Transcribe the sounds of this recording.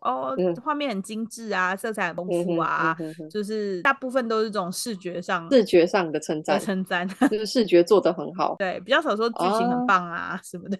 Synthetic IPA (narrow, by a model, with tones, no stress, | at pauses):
ʔɔ˥˧˩xwa˥˧mjɛ˥˩nhə˨˩nt͡ɕi˥ŋʈ͡ʂɻ̩˥˩a˩ʂɤ˥˧˩ʈ͡ʂʰa˨˩˥ŋfʰu˥˩a̰˩˧jo˥˧ʊʂ̬ɻ̩˥˧a˥˧pu˥˧fə˨nt̪o˥ʊʂɻ̩˥˧˩ʈ͡ʂə˥˩t͡so˨˩ŋʂɻ̩˥˩t͡ɕɥɛ˧˥ʂɑ˥˩ŋʂɻ̩˥˩t͡ɕɥɛ˧˥ʂɑ˥˩ŋd̪ə˩t͡sʰə˧˥nt͡sa˥˧˩nt͡sʰə˧˥ŋt͡sa˥˧no˥˧˥ʂɻ̩˥˩t͡ɕɥɛ˧˥t͡swɔ˥˨d̪ə˩xə˧˥nxɑ̰˨˩˦ʊwe˥˩ɪpi˨˩t͡ɕjɑ˥˩ʊʂɑ˨˩ʊʂ̬wɔ˥t͡ɕi˥˩ɕi˧ŋhə˨˩npɑ˥˩ŋa̰˩ʂə˨˦nmə˧d̪ə˩